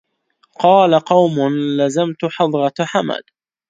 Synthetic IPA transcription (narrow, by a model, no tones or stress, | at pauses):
qɑːlaqɑwmʊnlazamt̪ʊħɑd̪ˤɾɑħama̰d̪